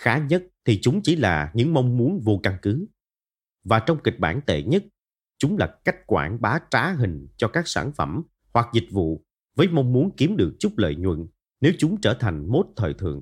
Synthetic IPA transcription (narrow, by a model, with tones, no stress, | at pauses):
xaː˨˦ɲə˦˥t̚t̪ʰi˨˩t͡ɕʊ˨˦ŋ͡mt͡ɕi˧˩˦laː˨˩ɲɨ̰˧˥ŋma˧wŋ͡mmu˨˦ənvo˧ka˧nkɨ˨˦ | vaː˨˩t͡ɕɔ˧wŋ͡mkï˨˩k̟̚ɓaː˧˩nt̪ḛ˧˨ɲə˦˥t̚ | t͡ɕʊ˨˦ŋ͡mlaː˨˩ka˦˥jk̟̚kwaː˧˩nɓaː˨˦t͡ɕaː˨˦ɦï˨˩ŋ̟t͡ɕɔ˧kaː˦˥k̚saː˧˩nfə˧˩m | hwa˨˩k̚zï˨˩k̟̚vṵ˧˨ | vəː˨˦jma˧wŋ͡mmu˨˦ənki˨˦əmɗɨ˨˩ək̚t͡ɕʊ˦˥k͡p̚lə̰ː˧˨jɲwə̰˧˨n | ne˨˦wt͡ɕʊ˨˦ŋ͡mt͡ɕəː˧˩t̪ʰa˨˩jŋ̟mo˦˥t̚t̪ʰəː˨˩jt̪ʰɨ̰˧˨˩əŋ